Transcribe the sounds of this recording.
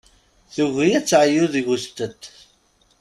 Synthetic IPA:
θuʝijæt͡sːʕəjuðiʝust̪ət̪ː

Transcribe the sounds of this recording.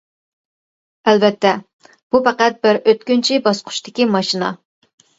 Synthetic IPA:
ɛlvɛt̪ːɛ | b̥upæqæt̪̚bɪɾøt̪̚kʲynt͡ʃʰibɑsqʰʊ̥ʃt̪ʰɪkʲimɑʃinɑ̰

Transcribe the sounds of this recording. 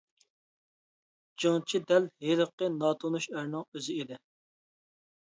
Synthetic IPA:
d͡ʒiŋt͡ʃʰid̪ɛlɦeɾəqːənɑːt̪ʰonuʃæɾnɨŋøzɪid̪ɪ

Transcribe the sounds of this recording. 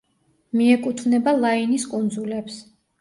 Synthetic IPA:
miɛkʼut̪ʰvnɛbalˠainiskʼund̪zulɛps

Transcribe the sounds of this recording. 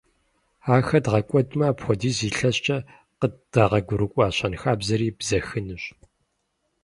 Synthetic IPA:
aːxɐdʁɐkʷʼɔdmaːpxʷɔdiːziːɬɐɕt͡ʃʼɐ | qəd̥ɐʁɐɡʷʊɾɨkʷʼɑːɕʼɐnxaːbzɐɾiːbzɐxɨnɨɕ

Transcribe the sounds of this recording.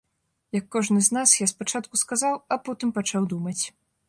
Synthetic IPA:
jɐkːɔʐnɨznasjaspat͡ʂat̪̚kuskazawɐpɔt̪ɨmpat͡ʂawd̪umɐt͡sʲ

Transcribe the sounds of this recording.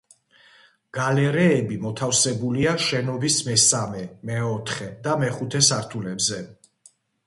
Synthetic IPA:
ɡ̥alɛɾɛːbimɔt̪ʰafsɛbuliaʃɛnɔbismɛsamɛmɛɔt̪ʰχɛd̪amɛχut̪ʰɛsaɾt̪ʰulɛbzɛ

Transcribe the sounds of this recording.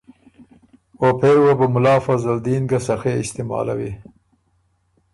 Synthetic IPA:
opʰewabamʊlɑːfazald̪iːnɡasaxeɪst̪ɪmɑ̰ːla̰wḭ

